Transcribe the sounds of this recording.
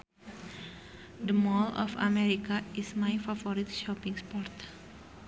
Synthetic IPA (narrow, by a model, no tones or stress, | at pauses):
d̪əmɔlɔ̰fa̰mɛɾikaismajfafɔɾit̪ʃɔpiŋspɔrt̪